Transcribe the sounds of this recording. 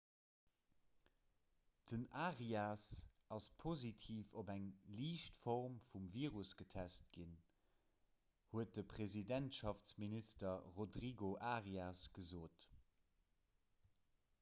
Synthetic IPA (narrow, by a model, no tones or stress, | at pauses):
d̥ənaːʁiasɑspʰozitʰiːfobæŋliːʃtfɔʁmfumviːʁusɡ̥ətʰæst̚ɡ̥in | huət̚dəpʰʁ̥ezidæntʃɑft͡sministɐʁodʁiɡoʔaʁiasɡ̥əzoːt